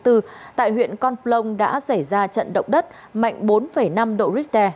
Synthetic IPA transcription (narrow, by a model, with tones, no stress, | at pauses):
t̪ɨ˧t̪a̰ː˧˨jɦwḭ˧˨ənkɔ˧nplə˧wŋ͡mɗa̰ː˧˥sa˧˩jzaː˧t͡ɕə̰˧˨nɗə̰˧˨wŋ͡mɗə˦˥t̚ | ma̰˧˨jŋ̟ɓo˨˦nfə˧˩jna˧mɗo̰˧˨zi˦˥k̚t̪ɛ˧